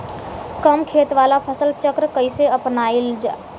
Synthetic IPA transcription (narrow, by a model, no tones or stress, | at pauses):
kəmkʰeːt̪ʋaːlapʰəsəlt͡ʃəkɾəkəiseəpnaːild͡ʒa̰ː